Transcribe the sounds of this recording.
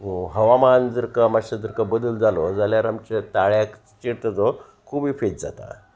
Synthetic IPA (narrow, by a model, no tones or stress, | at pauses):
ɦəʋamand͡zəɾkamaɕəd͡zəɾkəbəd̪əld͡zalod͡zaljaɾamt͡ɕet̪aɭjak | t͡ɕiɽt̪əd͡zo | kʰubiːfet̪̚d͡za̰t̪a̰